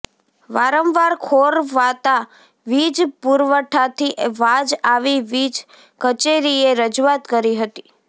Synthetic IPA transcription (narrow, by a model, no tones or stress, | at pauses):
ʋaɾəmʋaɾkʰoɾʋat̪a | ʋid͡ʒpuɾʋəʈʰat̪ʰiʔʋad͡ʒaʋiʋid͡ʒ | kət͡ʃeɾieɾəd͡ʒuat̪kəɾiɦət̪i̥